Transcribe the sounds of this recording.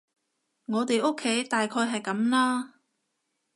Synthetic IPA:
ŋɔː˨˧t̪e˨jʔʊ˥kʰːe˨˥jt̪aː˨jkʰɔː˧jɦɐ˨jkɐ˨˥mlaː˥

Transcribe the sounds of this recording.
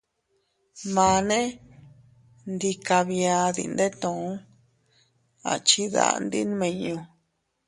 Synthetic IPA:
mãː˨˧nẽ˦ | nd̪i˧ka˧βĩ˧ã˧ðḭ˧˨˧nd̪e˦t̪õ˨˦ | a̰˨t͡ʃi˦ða̰˧˨˧nd̪i˦n˦mẽ˧ɲũ˧

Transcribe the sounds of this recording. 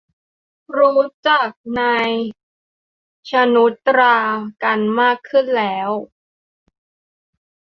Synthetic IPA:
ɾuː˦˥t͡ɕa˨˩k̚naː˧j | t͡ɕʰa˧nu˦˥t̪ɾaː˧ka˧nmaː˥˩kʰːɯ˥˩nlɛː˦˥w

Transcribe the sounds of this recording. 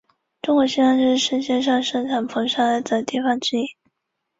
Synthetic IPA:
ʈ͡ʂʊ˥ŋkwɔ˨˩ɕi˥na˥˧nʂɻ̩˥˩ʂə˥˧nɕjɛ˥˧nʂɑ˥˩ŋʂɤ˥ŋʈ͡ʂʰa˨˩npʰɤ˧˥ŋʂa˥˩d̪ə˨˩t̪i˥˩fɑ˥˩ŋʈ͡ʂɻ̩˥i˥˩˦

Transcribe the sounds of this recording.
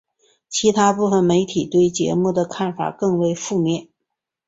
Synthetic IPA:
t͡ɕʰi˧˥t̪ʰa˥pu˥˩fə˩nme˧˥ɪt̪ʰi˨˩t̪we˥˩ɪt͡ɕjɛ̰˧˥mu˥˩d̪ə˩kʰa˥˩nfa̰˨˩kɤ˥˧ŋwe˥˧ɪfu˥˧mjɛ˥˩n

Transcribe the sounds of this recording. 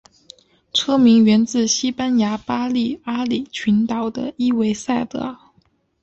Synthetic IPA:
ʈ͡ʂʰɤ˥mi˧˥ŋɥɛ˧˥nt͡sɹ̩˥˩ɕi˥pa˥nja˧˥pa˥li˥˩a˥li˨˩t͡ɕʰy˧˥nt̪ɑ˨˩ʊd̪ə̰˦i˥we˧˥ɪsa˥˩ɪt̪ɤ̰˧˩

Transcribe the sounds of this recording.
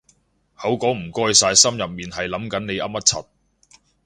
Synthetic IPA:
hɐ˨˥wkɔː˨˥m̩˨˩kɔː˧jsaː˧jsɐ˥mjɐ˨p̚miː˨˩nɦɐ˨jlɐ˨˥mkɐ˨˥nne˨˧jʔɐ˥p̚mɐ˥t̚t͡sʰɐ˨t̚

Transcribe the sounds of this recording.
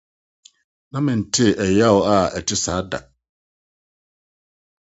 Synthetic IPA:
nã˦mɪ̃˨n̩˨tʰɪ˦˨ʔɛ˨ja˦˨wʊ˨a˨ɛ˨tʰɪ˦saː˨˦da̰˨

